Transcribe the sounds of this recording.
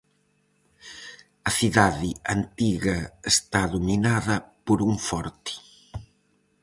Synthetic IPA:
ɐsiðaðiant̪iɣɐest̪aðuminaðɐpoɾuɱfɔɾt̪i̥

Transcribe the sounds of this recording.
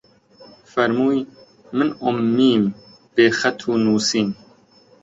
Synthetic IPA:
fɐɾmuːi | mɨnomːiːm | b̥eːxɛt̪ʰuːnuːsiːn

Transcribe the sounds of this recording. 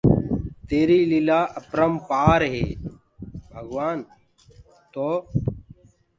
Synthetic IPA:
t̪eːɾiːlilaːʔɐpɾəmpaːɾɦḛː | bʱɐɡwaːn | t̪oː

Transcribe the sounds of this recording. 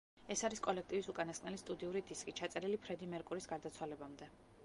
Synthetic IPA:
ɛsaɾiskʼɔlɛk̚ʰt̪ʼivisukʼanaskʼnɛlist̪ʼud̪iuɾid̪iskʼit͡ʃʰat̪sʼɛɾilipʰɾɛd̪imɛɾkʼuɾisɡaɾd̪at̪sʰwalɛbamd̪ɛ

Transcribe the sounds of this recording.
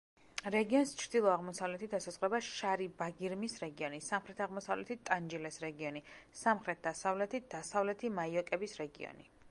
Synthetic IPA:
ɾɛɡiɔnst͡ʃʰɾd̪ilˠɔaʁmɔsavlɛt̪ʰid̪asasʼχɾɛbaʃaɾibaɡiɾmisɾɛɡiɔnisamχɾɛt̪ʰaʁmɔsavlɛt̪ʰit̪ʼand͡ʒilɛsɾɛɡiɔnisamχɾɛt̪̚ʰd̪̥asavlɛt̪ʰit̪̚d̪̥asavlɛt̪ʰimaiɔkʼɛbisɾɛɡiɔ̰ni

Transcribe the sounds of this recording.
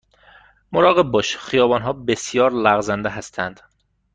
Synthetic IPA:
moɾɒːɣeb̚bɒːʃxijɒːbɒːnɦɒːbesjɒːɾlæɣzænd̪eɦæst̪ʰænd̪̥

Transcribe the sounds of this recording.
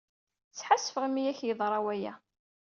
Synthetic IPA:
t͡sːħasːəfəʁəmijæçjəðˤɾˤɑwæjæ̰

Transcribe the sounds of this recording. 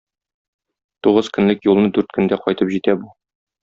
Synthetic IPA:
t̪uʁɤzkɵ̆nlɘkjulˠnɤd̪ʉɾt̪̚kɵ̆nd̪æqɒjt̪ɤpʑit̪æbu

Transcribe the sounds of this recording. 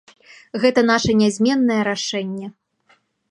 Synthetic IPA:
ɣɛt̪ɐn̪aʂɐnʲazʲmʲɛnːɐjɛɾaʂɛnʲːɛ

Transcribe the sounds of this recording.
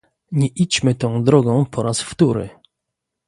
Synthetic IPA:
ɲɛʔit͡ɕmɘt̪ɔ̃w̃d̪ɾɔɡɔ̃w̃pʰɔɾasft̪uɾɘ̰

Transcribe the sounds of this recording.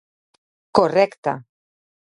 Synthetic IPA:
korekt̪a̰

